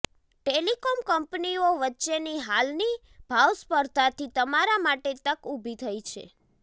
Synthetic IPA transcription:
ʈelikomkəmpnioʋətːʃeniɦalni | b̥ʱawspəɾt̪at̪ʰit̪əmaɾamaʈet̪əkubʱit̪ʰəit͡ʃʰḛ

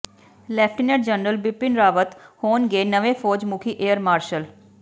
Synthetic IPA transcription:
lɛːpʰʈineʈ̚d͡ʒənɾəlbɪpɪnɾaːʋət̪hoːnɡeːnəʋẽːpʰoːd͡ʒmʊkʰiːʔeːəɾmaːɾʃəl

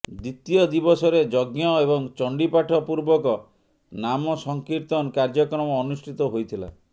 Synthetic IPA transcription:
d̪it̪iɔd̪ibɔsɔɾed͡ʒɔɡjɔebɔŋt͡ʃɔɳɖipaʈʰɔpuɾbɔkɔ | namɔsɔŋkiɾt̪ɔnkaɾd͡ʒɔkɾɔmɔːnusʈʰit̪ɔɦojt̪ʰila̰

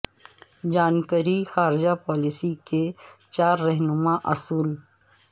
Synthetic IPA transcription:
d͡ʒaːnkəɾixaːɾɪd͡ʒapɔːlisiket͡ʃaːɾːɛɦnʊmaʔɐsuːl

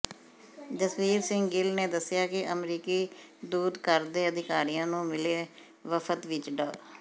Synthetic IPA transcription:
d͡ʒəsʋiːɾsɪ̃ŋɡɡɪlneːd̪əsːɪjaːkɪʔəmɾiːkiː | d̪uːd̪kəɾd̪eːəd̪ɪkaːɾijãːnũːmɪleː | ʋəfʰət̪ʋɪt͡ʃɖəː

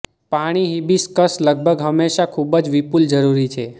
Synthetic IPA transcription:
paɽ̃iɦibiskəsləɡ̚bʱəɡɦəmːeʃakʰubəd͡ʒʋipuld͡ʒəɾuɾit͡ʃʰe

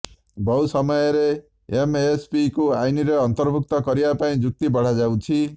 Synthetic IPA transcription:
bʌwsʌmʌjʌɾeː | mespikoajniɾeʌnt̪ʌrbʱuk̚t̪ʌkʌɾibapaĩd͡ʒuk̚t̪ibʌɽ̤ad͡zaw̃t͡sʰi

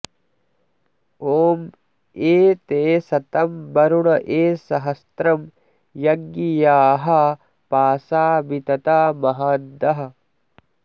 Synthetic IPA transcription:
oːm | eːt̪eːsɐt̪ɐmbɐɾuɳɐʔeːsɐɦɐst̪ɾɐm | jɐɡːijaːɦɐ | paːsaːbit̪ɐt̪aːmɐɦaːd̪ɐɦɐ̆

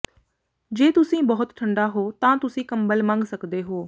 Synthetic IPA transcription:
d͡ʒeːt̪ʊsĩːbəɦʊt̪ʈʰəɳɖaɦoːt̪ãːt̪ʊsĩːkəmbəlmãŋɡsəkd̪eɦoː

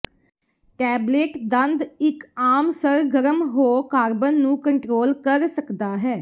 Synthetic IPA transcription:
ʈɛːbleːʈd̪ə̃nd̪ɪkaːmsəɾɡəɾəmɦoːkaːɾbənːũːkəɳʈɾoːlkəɾsəkd̪aːɦɛː

